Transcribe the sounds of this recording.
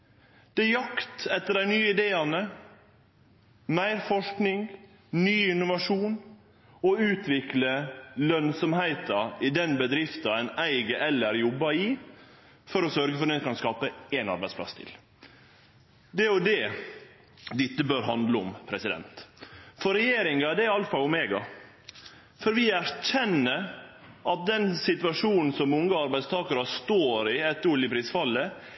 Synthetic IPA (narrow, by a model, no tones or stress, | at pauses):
d̪̥ɛjɑkt̪ɛt̪ːəɾæɪnyːəɪd̪eːɑnə | mæɪɾfɔʂknɪŋ | nyːɪnʊʋɑʂuːn | ɔʉːt̪ʰʋɪkləlœnsɔmhæɪt̪ɑɪd̪ɛnbəd̪ɾɪft̪ɑæɪnæɪɡəʔɛlːæɾjɔbːɑɪ | fɔɾɔsœɾɡəfɔɾd̪ɛnɛkʰɑnskɑːpəenɑ̰ɾbæɪsplɑ̰sːt̪ʰɪ̰l | d̪ɛɔd̪ɛ | d̪ɪt̪ːəbøːɾɦɑnd̪ləʊmpʰɾɛsɪd̪ɛ̰nt̪fɔɾɛjeːɾɪŋɑd̪ɛɪɑləfɑlʊmeːɡɑ | fɔɾʋɪæɾçɛnːəʔɑt̪̚d̪ɛnsɪt̪ʉɑʂuːnn̩sɔmʊŋːəɑɾbæɪd̪st̪ʰɑːkɑɾɑst̪oːɾɪɛt̪ːʉljəpʰɾiːsfɑlːə